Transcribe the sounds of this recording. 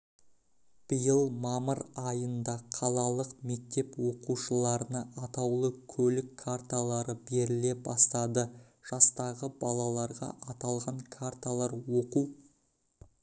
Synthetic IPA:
b̥əjəlˠmɑməɾɑjənd̪ɑqʰɑlˠɑlˠəqme̞k̚t̪e̞pwo̞quʃəlˠɑɾənɑʔɑt̪ɑwlˠəkʲʰɵlɪkʰːart̪alˠɑɾəbe̞ɾɪle̞bɑst̪ɑd̪ə | ʒ̥ɑst̪ɑʁəbɑlˠɑlˠɑɾʁɑ̰ʔɑt̪ɑlˠʁɑŋkʰart̪alˠɑɾwo̞quw

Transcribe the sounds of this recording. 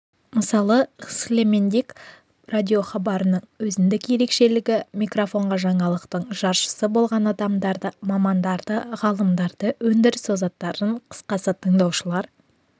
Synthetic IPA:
məsɑlˠəəskle̞me̞nd̪ek | radʲio̞χɑbɑɾənəɴwɵzɪnd̪ɪkje̞ɾe̞kʃe̞lɪɡʲɪmikro̞fo̞ɴʁɑʒɑɴɑlˠəq̚t̪əɴʒ̥ɑɾʃə̥səbo̞lˠʁɑnɑd̪ɑmd̪ɑɾd̪əmɑmɑnd̪ɑɾd̪əʁɑlˠəmd̪ɑɾd̪̥əwɵnd̪ɪɾɪsozɑt̪ːɑɾəɴqʰə̥sqɑsət̪ʰəɴd̪ɑwʃəlˠɑɾ

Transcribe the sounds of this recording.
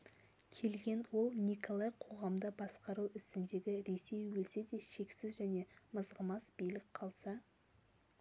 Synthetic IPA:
kʲʰe̞lɡʲe̞nwo̞lˠniko̞lˠɑjqʰo̞ʁɑmd̪əbɑsqɑɾuwɪst̪ɪnd̪e̞ɡʲɪɾe̞se̞jwɵlse̞d̪e̞ʃe̞ksɪzʒæne̞məzʁəmɑsbijlɪk̚qʰɑlˠsɑ

